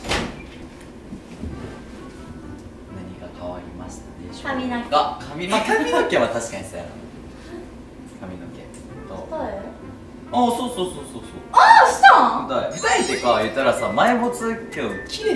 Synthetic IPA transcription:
naɲ̟iɡakʰaβaɾʲimaɕi̥t̪ḛamʲiɡakʰamʲinakamʲiinokẽβat̪aɕi̥kaɲ̟isa̰a̰ | kʰamʲinokḛ̃ | t̪ot̪o | asoːsoːsoːsoːsoːaɕi̥t̪ãɯt̪aeit̪ait̪ekajɯ̟t̪ːaɾasaːmaibot͡sɨkʲoː

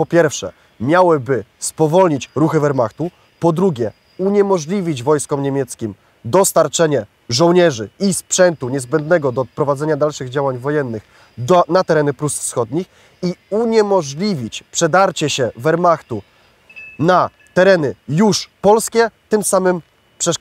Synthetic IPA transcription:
pɔpʲjɛɾfʂɛ̰ | mʲjawɘbɘspɔvɔlɲit͡ɕɾuxɘvɛɾmaxt̪u | pɔd̪ɾuɡʲɛ | uɲɛmɔʐlʲivʲid͡ʑvɔjskɔmɲemʲjɛt̪skʲim | d̪ɔst̪aɾt͡ʂɛɲɛ | ʐɔ̃wɲɛʐɘispʂɛnt̪uɲɛzbɛnd̪nɛɡɔd̪ɔpɾɔvad̪ɛɲad̪alʂɘɣd͡ʑawaɲvɔjɛnːɘx | d̪ɔnat̪ɛɾɛnɘpɾusfsxɔd̪ɲix | iuɲɛmɔʐlʲivʲit͡ɕpʂɛd̪aɾt͡ɕɛɕɛvɛɾmaxt̪u | na | t̪ɛɾɛnɘjuʂpɔlskʲɛt̪ɘmsamɘm | pʂɛʂ

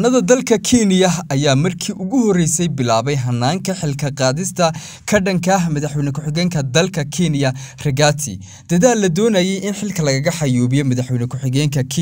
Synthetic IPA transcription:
nɐðɐd̪ɐlkʰɐkʰinɪjɐɐjaːmɐrkʰiːʔʊɣʊhɔrɛjsɛjbɪlaːβɛjɦɐnːaːŋkʰɐħɪlkʰɐqɑːðɪst̪ʰɐ | kʰɐɖɐŋkʰɐɦmɐðɐħwɛjnɐkʰʊħɪɣɛːŋkʰɐd̪ɐlkʰɐkʰinɪjɐrɛɡat̪ʰɪ̰ | d̪̥ɐðaːlːɐd̪ɔːnɐjɛjʔɪnħɪlkʰɐlɐɣɐɣɐħɑjuːβɪjɔmɐðɐħwɛjnɐkʰʊħɪɣɛːŋkʰɐkʰː

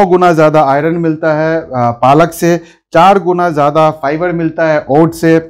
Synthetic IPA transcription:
ɔɡʊnazjaːd̪aaːɪɾənmɪlt̪aɦɛːpaːləkse | t͡ʃaːɾɡʊnazjaːd̪afʰaːɪʋəɾmɪlt̪aɦɛʔoːʈse

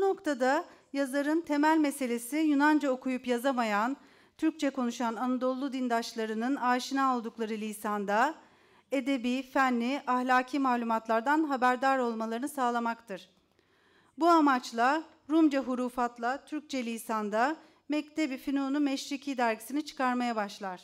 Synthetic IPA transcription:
buno̞kt̪ʰad̪ajazaɾɯnt̪ʰe̞mælʲmese̞lʲe̞sijunand͡ʒaokʰujupjazamajan | t̪ʰyɾc̚t͡ʃʰɛko̞nuʃananad̪o̞lˠːud̪ind̪at͡ʃlˠaɾɯnɯnaːʃinaolˠd̪uklˠaɾɯlʲiːsand̪a | e̞d̪e̞bifænːiʔahlʲaːcʰiːmaːlʲumat̪lˠaɾd̪anɦabæɾd̪aɾo̞lˠmalˠaɾɯnɯsaːlˠamakt̪ʰɯɾ̥ | buamat͡ʃlˠa | ɾumd͡ʒaɦuɾuːfat̪lˠat̪ʰyɾc̚t͡ʃʰɛlʲiːsand̪a | mɛct̪ʰebifinonumɛʃɾicʰiːd̪æɾɡɟisinit͡ʃʰɯ̥kaɾmajabaʃlˠaɾ̥

